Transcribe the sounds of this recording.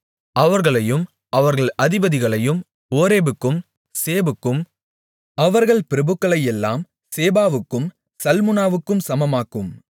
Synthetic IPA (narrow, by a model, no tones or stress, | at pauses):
ʔɐʋɐɾɣɐɭɐjɯm | ʔɐʋɐɾɣɐɭʔɐðɪbɐðɪɣɐɭɐjɯm | oːɾeːbɯkːɯm | seːbɯkːɯm | ɐʋɐɾɣɐɭpɪɾɐbɯkːɐɭɐjɛlːaːm | seːbaːʋɯkːɯm | sɐlmɯnaːʋɯkːɯmsɐmɐmaːkɯm